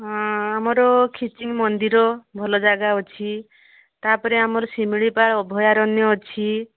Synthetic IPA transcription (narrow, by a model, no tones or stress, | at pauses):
amɔɾɔkʰit͡ʃiŋmɔnd̪iɾɔbʱɔlɔd͡ʒaɡaɦɔt͡ʃʰi | t̪apɔɾeamɔɾɔsimiɭipaɭɔbʱɔjaɾɔnjɔɔt͡ʃʰi